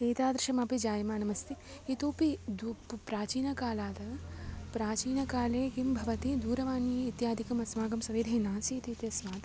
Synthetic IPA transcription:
eːt̪aːd̪ɾɐʃɐmaːpid͡ʒaːjmaːnɐmɐst̪iit̪oːpid̪uppɾaːt͡ʃiːnɐkaːlaːt̪ɐpɾaːt͡ʃiːnɐkaːleːkimbʱɐʋɐt̪id̪uːɾɐʋaːniːt̪jaːd̪ʱikɐmɐsmaːɡɐmsɐʋeːd̪ʱɐnãːsit̪it̪jɐsmaːt̪

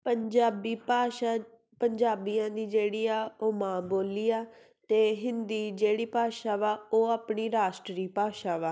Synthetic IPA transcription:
pəɲd͡ʒaːbiːpaːʃa | pəɲd͡ʒaːbijãːd̪iːd͡ʒeːɽiːaːoːmãːboːliːaː | t̪eːɦɪ̃nd̪iːd͡ʒeːɽiːpaːʃaːʋaːoːaːpɳiːɾaːʃʈɾiːpaːʃaːʋaː

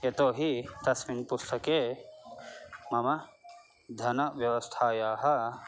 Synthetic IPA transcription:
et̪oːɦit̪ɐsminpust̪ʰɐkeː | mɐmɐ | d̪ʱɐnɐʋjɐʋɐst̪ʰaːjaːɦɐ

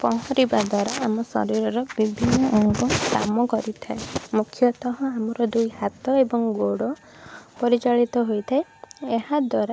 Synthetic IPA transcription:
pɔɦɔɾibad̪waɾaːmɔsɔ̰ɾiɾɔɾɔbibʱinːɔʔɔŋkuka̰mɔkɔɾit̪ʰaemukʰjɔt̪ɔɦɔamɔɾɔd̪ujhat̪ɔebɔŋɡoɽɔ | pɔɾit͡ʃaɭit̪ɔɦojt̪ʰaeehad̪waɾa

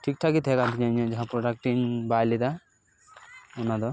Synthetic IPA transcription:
ʈʰik̚ʈʰakit̪ʰɛkant̪ʰiɲaɲɔ̃d͡ʒaɦapɾɔʈak̚ʈinbajlid̪a | ɔnad̪ɔ

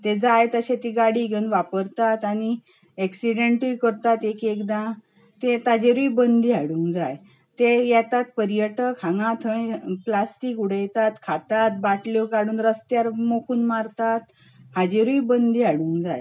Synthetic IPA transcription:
t̪ed͡zajt̪əɕet̪iɡaɽiɡʱenʋapəɾt̪at̪añi | ɛksiɖeɳʈujkəɾt̪at̪ekekd̪ã | t̪et̪ad͡ʑeɾuibənd̪iːaɽuːŋkd͡zaj | t̪ejɛt̪at̪̚pəɾjəʈəkʰãŋɡãt̪ʰə̃jplasʈikuɽejt̪at̪kʰat̪at̪̚baʈljokaɽuːnɾəst̪jaɾmokʰuːnmaɾt̪at̪̚ | had͡ʑeɾuibənd̪iːɦaɽuːŋɡd͡za̰j

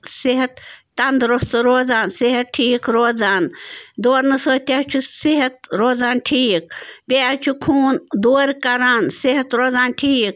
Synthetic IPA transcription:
siɦɐt̪̚ː | ɐnd̪ɾost̪ɨɾoːd͡zaːnsiɦɐt̪̚ʈʰiːkɾoːd͡zaːnd̪oːɾnɨsəːt̪ʲat͡ʃʰusiɦɐt̪̚ɾoːzaːnʈʰiːk̚pʲeat͡ʃʰukʰuːnd̪oːɾkɐɾaːnsiɦɐt̪ɾoːzaːnʈʰiːk

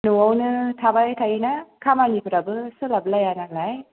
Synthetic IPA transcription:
nuwɔwnɯtʰabajtʰainakʰamalipʰɯɾabɯsɯlabɯlajanalaj

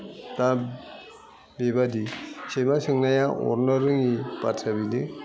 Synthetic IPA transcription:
ta | bebadisemasɯŋnajaʔɔ̰ɾnɯɾɯŋipa̰tʰabidi

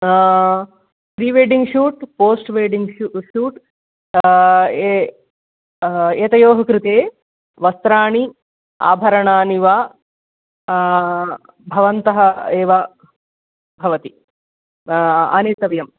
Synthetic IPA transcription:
pɾiːʋeːɖiŋɡʃuːʈpoːsʈʋeːɖiŋɡʃuːʈ | eːt̪ɐjoːɦɐkɾut̪eː | ʋɐst̪ɾaːɳi | a̰ːbʱɐɾɐɳaːniʋaː | bʱɐʋɐnt̪ɐɦɐeːʋɐ | bʱɐʋɐt̪i | ɐ̰neːt̪ɐʋjɐm

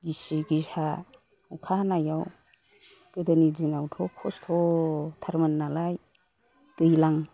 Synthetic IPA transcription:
ɡisiɡisa | ukʰanajaw | ɡ̥ɯdɯnid͡ʒiŋawtʰɔkʰɔstʰɔtʰaɾmanːalaj | d̥ɯjlaŋ

